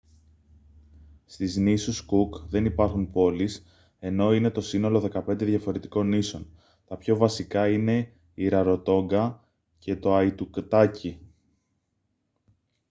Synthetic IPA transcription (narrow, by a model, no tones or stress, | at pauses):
st̪iznisuskukðe̞nipɐɾxunpo̞lis | e̞no̞ine̞t̪o̞sino̞lo̞ðe̞kɐpe̞nd̪e̞ðʝɐfo̞ɾe̞t̪i̥ko̞nːiso̞n | t̪ɐpço̞vɐsikɐine̞ | iɾɐɾo̞t̪o̞ŋɡɐ | ce̞t̪o̞ɐit̪ukt̪ɐci